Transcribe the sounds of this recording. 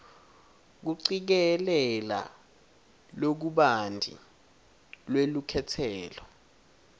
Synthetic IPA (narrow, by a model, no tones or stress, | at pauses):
k̬uǀik̬ɛlɛla̰ | lok̬uɓandʱḭ | lwelukʰɛtʰɛːlɔ